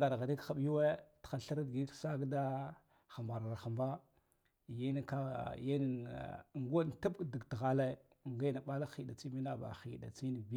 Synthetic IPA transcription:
ɡa˨ɾɣa˨di˦kxa˨ɓju˦we˦txa˦˨ɬa˦ɾa˦dɡi˦ksa˦ɡda˦ | xa˨mba˨ɾa˨xa˨mba˦˨ | ja˦n˦ka˦ja˦n˨ŋɡo˦˨ta˦bkdi˨ɡtɣa˦le˦˨ | ŋɡa˦na˨ɓa˦la˦xi˨da˨t͡si˦mi˦na˦ba̰˨xḭ˨da̰˨t͡si˦n˨bi˦

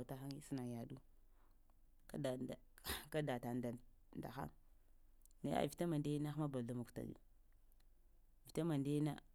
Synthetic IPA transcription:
ta˦xa˦ŋi˦si˦na˨ja˨du˦ | da˨ka˦da˨ta˨nda˨ | nda̰˨xa̰˦ŋ | na˨˦a̰˨vi˨ta˦ma˨nde˦na˦xma˦ba˨la˦ma˨ku̥˨ta̰˨ɡṵ˦ | vi˨ta˦ma˨nde˦na̰˦

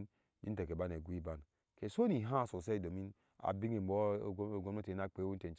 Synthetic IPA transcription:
n | bi˦te˨ke˨ba˦n˨e˨ɡʷu˦i˦ba˦n˨ | ke˨so˦ni˨ɦã˦˨so˨se˦i˨do˨mi˦n | a̰˨bi˦ŋe˨m˨bo˦˨˦ɡo˦e˦te˨˦a˦k͡pe˨˦wu˦te˨n˨t͡ʃ

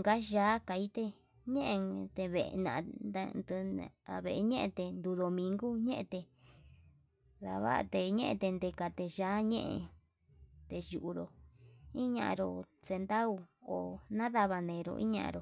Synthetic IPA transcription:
ŋɡa˦ʒaː˨˦ka˨˧i˦t̪e˧ | ɲẽ˦ʔẽ˧t̪e˧βe˨˧nã̰˨˧na˧nd̪̰a̰˨βe˨ʔe˧ɲẽ˦ʔḛ̃˧t̪e˧nd̪u˧ðo˧mĩ˧ŋɡu˦ɲẽ˦ʔẽ˧t̪e˧ | ða̰˧βa̰˦˧t̪e˧ɲẽ˦ʔḛ̃˧t̪e˧nd̪e˧ka˧t̪e˧ʒaː˨˦ɲḛ̃˦ʔḛ̃˧ | t̪e˧ʒu˨ʔu˧ɾo˨ĩ˦ɲã̰˧ʔã̰˧ɾo˨se˧nd̪a˦u˧o˨nã˦ða˧βa˧nẽ˨˧ɾo̰˧ʔḭ̃˦ɲã̰˧ʔã̰˧ɾo˨

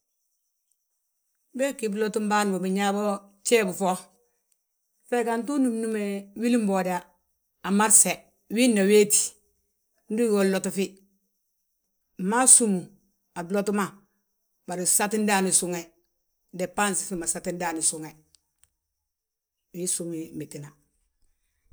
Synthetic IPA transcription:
be˦ki˨blo˦tu˦m˦baː˦n˨bo˨bi˨ɲa˦bo˦ | t͡ʃeː˦bu˨fo˦ | fe˦ka˨ntu˦nu˨mnu˦me˨wi˦li˦mbo˨da˨ | a˨ma˦ɾse˨ | wi˦nːa˨weː˦ti̥˨ | n˦du˦wo˦lo˨tu˨fi˦˨ | ma˦su˦mu˨ | a˨blo˦tu˦ma˨ | ba˨ɾi˨sa˦ti˦n˦da˦ni˨su˦ŋe˨ | de˨pa˦nsi̥˨fi˦ma˨sa˨ti˦ndaː˦ni˨su˨ŋe˨ | wi˦su˦mi˦mbi˨ti˨na˨

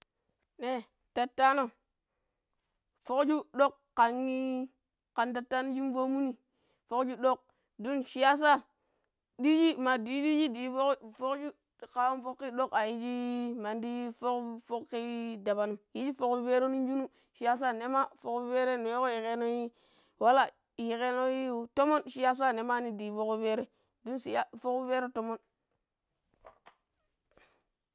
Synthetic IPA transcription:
ne˦ | ta˨tːa˦no˦ | fo˦kd͡ʒu˦ɗo˦kːa˨ŋːi˦ | ka˨nta˨tːa˦no˦d͡ʒi˦n˦vo˦mu˦ni˦ | fo˦kd͡ʒu˦ɗo˦k̚ | du˦nʃi˦ja˦s̬a˦ | di˦d͡ʒi˦ma˨di˨˦di˦d͡ʒi˦di˨˦fo˦fo˦kd͡ʒu˦˨ | ka˨wo˦mfo˦kːi˦ɗo˦ka˨ji˦d͡ʒi˦ma˨ndi˦fo˦kfo˦kːi˦da˨ba˨nu˨mji˦d͡ʒi˦fo˨kbe˦ɾo˦nu˦n˦d͡ʒu˦nu˦ | ʃi˨˦ja˦s̬a˦ne˦ma˦fo˨kbe˦ɾe˦nu˨je˦ko˦ji˨ke˦no˦ji˦ | wa˦la˦˨ | ji˨ke˦no˦ji˦u˨to˦mo˦nʃi˦ja˦s̬a˦ne˨ma˦ni˦di˨fo˦ko˦be˦ɾe˦ | du˦nsi˨a˦fo˦ke˦ɾe˦to˦mo˦n

